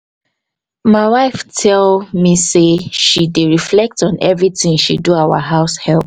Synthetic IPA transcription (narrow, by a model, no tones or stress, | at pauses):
maɪwaɪftʰɛlmiseʃideɹiflɛk̚tɔ̃nʔɛvɹitĩŋʃḭduaʊa̰ɦaʊshɛlp